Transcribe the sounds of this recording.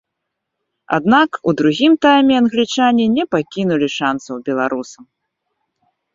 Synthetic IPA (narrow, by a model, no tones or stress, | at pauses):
a̰d̪nakud̪ɾuɣʲimt̪ajmʲɛɐnɣlʲit͡ʂanʲinʲɛpakʲinulʲiʂansɐwbʲɛlˠaɾusɐm